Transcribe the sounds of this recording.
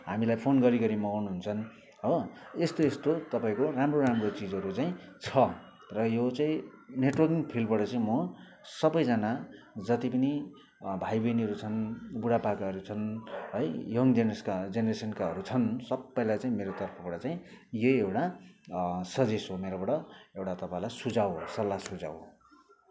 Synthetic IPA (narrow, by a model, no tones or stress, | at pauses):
ɦamilajpʰonɡʌɾiɡʌɾimʌɡnuɦunt͡sʰʌn | oest̪oest̪ot̪ʌpaĩkoramroɾamrot͡sid͡zʌɾut͡saĩt͡sʰʌ | rʌjot͡saĩneʈwʌrkiŋpʰilbʌɽʌt͡saĩmʌ | sʌbʌjd͡zʌna | d͡zʌt̪ipʌni | bʱajbʌniɦʌɾut͡sʰʌnbuɽapakaɦʌɾut͡sʰʌnɦʌjjʌŋd̪enʌskad͡zenʌresʌnkaɦʌɾut͡sʰʌnsʌbːʌjlajt͡saĩmeɾot̪ʌrpʰʌbʌʈʌt͡saĩ | joewʈa | sʌd͡zesɦomeɾobʌɽʌewʈat̪ʌpaĩlajsud͡zawsʌlːasud͡za̰w